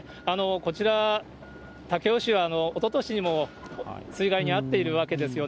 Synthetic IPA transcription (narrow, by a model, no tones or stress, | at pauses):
ano̞ko̞t͡ɕiɾa | t̪ake̞oɕiβaːno̞ːt̪o̞t̪o̞ɕiɲ̟imo̞ | sɨiɡaiɲ̟iat̪ːe̞iɾɯ̟βake̞d̪e̞sɨjo̞